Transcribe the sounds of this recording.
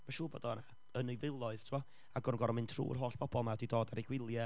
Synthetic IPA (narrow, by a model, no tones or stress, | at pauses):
maʃuːbɔ̰ːdɔna | ənɨjvɪlˠɔɨð̥tʰɪvɔ | aɡɔrnŋɡɔɾɔmɨntʰrṵːr̥ɦoːɬb̥ʰɔbɔlˠmadidoːdaɾiɡwɪlˠjɛ